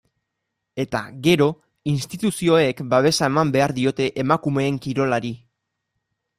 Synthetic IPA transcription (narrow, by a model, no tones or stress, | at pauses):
e̞t̪a̰ɣe̞ɾo̞ | inst̪it̪usio̞e̞kbaβ̞e̞sae̞mambe̞aɾðio̞t̪e̞ʔemakume̞ːŋkiɾo̞laɾi